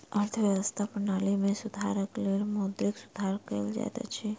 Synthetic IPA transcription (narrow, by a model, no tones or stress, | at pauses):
əɾt̪ʰəʋjəʋəst̪ʰapənaːlimẽsʊd̪ʱa̰ːɾəklelmoːd̪ɾɪksʊd̪ʱaːɾkḛld͡ʒa̰t̪a̰t͡ʃʰi